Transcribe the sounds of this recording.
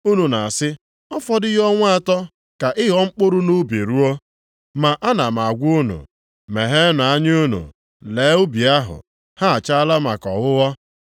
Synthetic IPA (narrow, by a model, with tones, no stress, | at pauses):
u˦nu˨na˨a˨sɪ˦ | ɔ˦fɔ˨dɪ˦ɣɔ˦ŋʷ˦a˦tɔ˦ | ka˨ʔɪ˦ɦɔ˦ŋ͡m̩˦k͡pʊ˦ɾʊ˦nu˦bi˨ɾu˦ɔ˦ | ma˨ʔa˦na˨m˨a˨ɡʷʊ˦nṵ˨ | me˨ɦe˦na˨a˦ɲ˦u˦nṵ˨ | leː˨˦u˦bi˨a˦ɦʊ̰˨ | ha˦a˨t͡ʃa˦la˦ma˨kɔ˨ɣʊ˦ɣɔ˦